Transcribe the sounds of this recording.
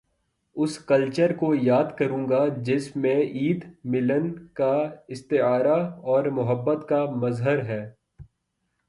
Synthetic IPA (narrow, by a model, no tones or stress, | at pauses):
ʊskɐlt͡ʃəɾkojaːd̪kɐɾũːŋɡad͡ʒɪsmẽʔiːd̪mɪlənkaɪst̪ɪaːɾaɔːɾmʊɦəbːət̪kamɐzɦəɾɦɛː